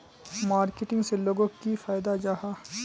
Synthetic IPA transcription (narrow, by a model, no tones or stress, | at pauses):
maːɾkɪʈɪ̃ŋɡseloːɡõkifaːjɪd̪ad͡ʒaɦaː